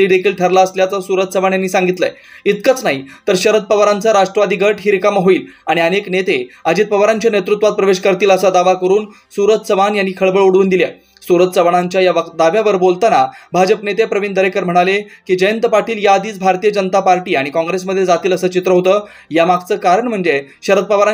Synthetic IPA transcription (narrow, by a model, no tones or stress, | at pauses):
iːɖ̪ekʰiːlʈʰəɾlaəsljat͡səsuɾət̪̚səʋaɳjanːiːsaŋɡit̪ləe | it̪̚kət͡snaɦit̪əɾɕəɾət̪̚pəʋəɾant͡saɾaʂʈɾəʋad̪ʱiɡʱəʈɦiɾkaməɦoiːlaɽ̃iəneknet̪ead͡ʑiːt̪̚pəʋɾaɲt͡ɕjanet̪ɾut̪ʋat̪̚pɾəʋeɕkəɾt̪iːləsad̪aʋakəɾuːn | suɾət̪səʋanjanːiːkʰəɭbəɭuɽuːnd̪ilja̰ | suɾət̪səʋaɳaɲt͡ɕjajaʋəd̪aʋjaʋəɾbolt̪anabʱad͡ʑəpnet̪epɾəʋind̪əɾekəɾm̤əɽ̃alekiːd͡ʑəjənt̪əpaɾʈiːljad̪iːt͡sbʱaɾt̪ijəd͡ʑənət̪apaɾʈiːaɽ̃ikɔ̃ŋɡɾesməd̪ʱːjed͡zat̪iːləsəːt͡ɕit̪ɾəɦot̪əː | jamaɡt͡səːkaɾəɳm̤əɳd͡ze | ɕəɾəd̪̚pəʋaɾa